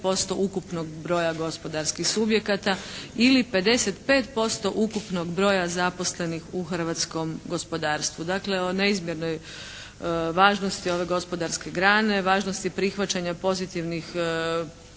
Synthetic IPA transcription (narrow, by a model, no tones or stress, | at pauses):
po̞st̪o̞ʔukupno̞ɡbɾo̞ːjaɡo̞spo̞d̪aɾskixsubje̞kat̪ailipe̞d̪e̞set̪pe̞ːt̪po̞st̪o̞ʔukupno̞ɡbɾo̞ːjazapo̞sle̞nixuxr̩ʋaːt̪sko̞mɡo̞spo̞d̪aːɾst̪ʋud̪akle̞o̞ne̞izmje̞ɾno̞j | ʋaːʒno̞st̪io̞ʋe̞ɡo̞spo̞d̪aɾske̞ɡɾaːne̞ʋaːʒnost̪ipɾixʋat͡ɕaɲapo̞zit̪iʋnix